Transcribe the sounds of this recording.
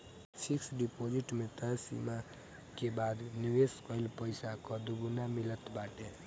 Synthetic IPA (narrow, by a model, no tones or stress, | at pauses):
sʰiksɖipod͡ʒiʈmet̪əɾsḭma | kebad̪niweskɔjlpəjsakɔd̪uɡunamilət̪baʈe